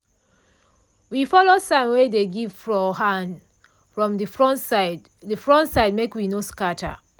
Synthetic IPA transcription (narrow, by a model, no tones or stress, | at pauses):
wifɔlosãmwedeɡivfɹɔhãnd | fɹɔ̃mifɹɔ̃nsɪd | dəfɹɔ̃ntsaɪd̚mekwinoskatʰa̰